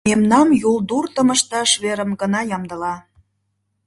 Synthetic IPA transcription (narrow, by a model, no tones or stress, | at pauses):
emnɑmjulˠd̪urt̪ə̆məʃt̪ɑʃβeɾə̆mɡənɑjɑmd̪əlɑ